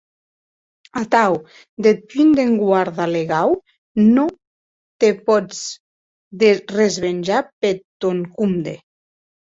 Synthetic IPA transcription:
at̪aw | d̪epynd̪eŋɡwaɾðaleɣaw | no | t̪epɔd͡z | d̪erezβenʲd͡ʒapet̪oŋkumd̪e

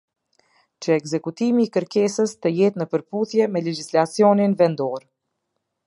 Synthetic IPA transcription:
t͡ʃəɛkzɛkut̪imiːkəɾkɛsəst̪əjɛt̪nəpəɾpuθjɛmɛlɛd͡ʒislat͡siɔninvɛnd̪ɔɾ

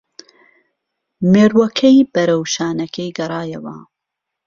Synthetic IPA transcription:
meːɾwɐkʰɛjbɐɾɐwʃaːnɐkʰɐjɡɐɾˤɑːjɐwɐ̰

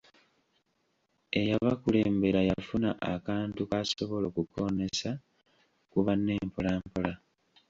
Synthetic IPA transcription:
e̞jaβakule̞ːmbe̞ɾajafunaʔakaːntukaso̞βo̞lo̞ːkuko̞ːne̞sa | kuβanːe̞ːmpolaːmpola

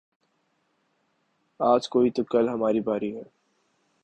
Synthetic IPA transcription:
aːd͡ʒkoːit̪ʊkɐlɦɐmaːɾibʱaːɾiɦɛː

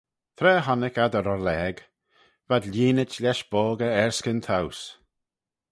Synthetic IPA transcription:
t̪ʰɾɛːɦɔnɪkad̪əɾɔɾlɛːɡ | vad̪lʲiːnət͡ʃlʲɛʃb̥oːɡəɛɹskənt̪ʰaws

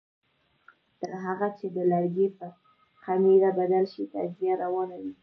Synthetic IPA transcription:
d̪̥aɦaɣat͡ʃed̪əlaɾɡepə | qamiɾabad̪alʃit̪a̰d͡ʒijaɾawɑnad̪i

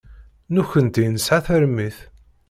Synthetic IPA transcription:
nuçənt̪ijnəsʕaθəɾmːiθ

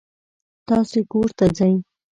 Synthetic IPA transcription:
t̪ɑsekoɾt̪ad͡zaj

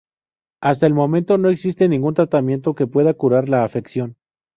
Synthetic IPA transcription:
ast̪aelmo̞mẽ̞nt̪o̞no̞e̞ksist̪e̞nĩŋɡunt̪ɾat̪amje̞nt̪o̞ke̞pwe̞ðakuɾaɾlaːfe̞ksjo̞n

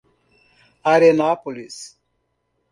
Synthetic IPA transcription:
aɾenapolis

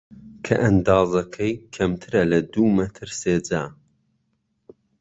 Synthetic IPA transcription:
kʰɐʔɐnd̪ɑːzɐkʰɐjkʰɐmt̪ʰɨɾɐlɐd̪uːmɐt̪ʰɨɾseːd͡ʒaː

